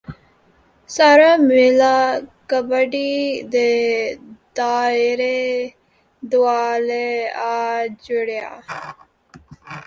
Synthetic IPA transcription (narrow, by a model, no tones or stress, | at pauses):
saːɾamɪlakəbəɖid̪eː | d̪aːɪɾe | d̪ʊaːleaːd͡ʒʊɽeja̰ː